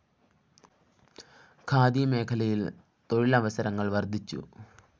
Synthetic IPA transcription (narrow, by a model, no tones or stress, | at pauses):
kʰaːd̪iɐme̞ːkʰɐlɐjil | t̪o̞ɻilɐʋɐsɐɾɐŋːɐɭʋɐrd̪ʱit͡ɕːṵ